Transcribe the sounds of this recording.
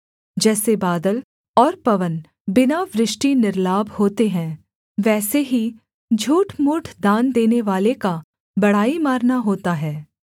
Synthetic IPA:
d͡ʒɛːsebaːd̪əl | ɔːɾpɐʋən | bɪnaʋɾɪʃʈinɪɾlaːbhoːt̪eɦɛ̃ː | ʋɛːseɦi | d͡ʒʱuːʈmʊːʈʰd̪aːnd̪eːneʋaːleka | bɐɽ̤aːimaːɾnaɦoːt̪aɦɛː

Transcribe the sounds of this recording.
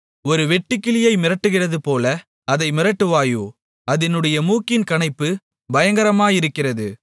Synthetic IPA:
ɔɾɯʋɛʈːɪkːɪlɪjɐɪmɪrɐʈːɯɣɪrɐðɯpoːlɐ | ɐðɐɪmɪɾɐʈːɯʋaːjuː | ɐðɪnɯɽɐjɐmuːkɪnkɐɳɐɪpːɯ | bɐjɐŋɡɐɾɐmaːjɪɾɯkːɪrɐðɯ

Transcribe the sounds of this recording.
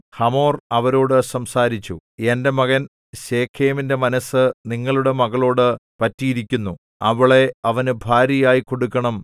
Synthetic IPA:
hɐmo̞ːrɐʋɐɾo̞ːɽɨsɐmsaːɾit͡ɕːue̞nde̞mɐɣɐn | ɕe̞ːkʰːeːminde̞mɐnɐsːɨniŋːɐɭuɽe̞mɐɣɐɭo̞ːɽɨpɐtːijiɾikʲːunːu | ɐʋiɭe̞ɐʋɐnɨbʱaːɾjɐjaːjiko̞ɽukːɐɳɐm

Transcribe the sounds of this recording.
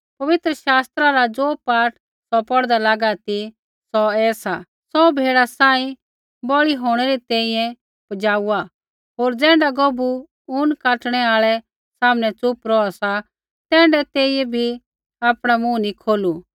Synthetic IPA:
pɐʋɪt̪ɾəʃaːst̪ɾaɾad͡zoːpaːʈ | sɔpɔɽd̪alaːɡat̪i | sɔɛːsa | sɔbʱeːɽasãːĩ | bɔɭiɦoːɽ̃ɛɾit̪ɛ̃ːĩjɛ̃ | pɐd͡ʒaːua | ɦoːɾd͡zɛ̃ːɳɖaɡɔbu | ʊnkaːʈɽ̃ɛaːɭɛ | saːmnɛt͡sʊpɾɔasa | t̪ɛ̃ːɳɖɛt̪eːijɛbʱi | aːpɽ̃amũnikʰoːlu

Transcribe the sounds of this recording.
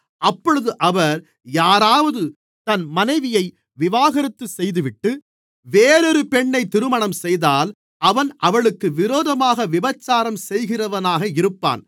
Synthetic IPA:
ʔɐpːɔɻɯðɯʔɐʋɐɾ | jaːɾaːʋɐðɯ | t̪ɐnmɐnɐɪʋɪjɐɪ | ʋɪʋaːɣɐɾɪt̪ːɯsɛjðɯʋɪʈːɯ | ʋeːɾɔɾɯpɛɳːɐɪt̪ːɪɾɯmɐɳɐmsɛjðaːl | ʔɐʋɐnʔɐʋɐɭɯkːɯʋɪɾoːðɐmaːɣɐʋɪbɐt͡ʃːaːɾɐmsɛjɣɪrɐʋɐnaːɣɐɪɾɯpːa̰ːn

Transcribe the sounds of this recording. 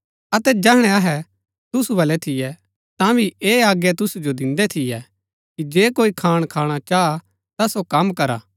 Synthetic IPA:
ɐt̪ɛd͡ʒɛːɦɽ̃ɛ̃ɐɦɛ | t̪ʊsubɐlɛt̪ʰɪjɛ | t̪ãbʱiʔeːaːɡjɛt̪ʊsud͡ʒod̪ɪ̃nd̪ɛt̪ʰɪjɛ | kid͡ʒeːkoːikʰaːɽ̃kʰaːɽ̃at͡ʃaːa | t̪asokɐmːkɐɾa̰ː

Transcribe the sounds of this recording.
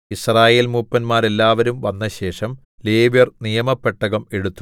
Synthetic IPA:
israːje̞ːlmuːpːɐnmaːɾe̞lːaːʋɐɾumʋɐnːɐɕe̞ːʂɐm | le̞ːbjɐrnijɐmɐpːe̞ʈːɐɣɐme̞ɽut̪ːu

